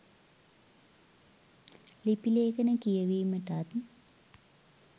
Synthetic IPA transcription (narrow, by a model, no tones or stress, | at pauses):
lipileːkɐnəkijɐʋiːmɐʈaːt̪i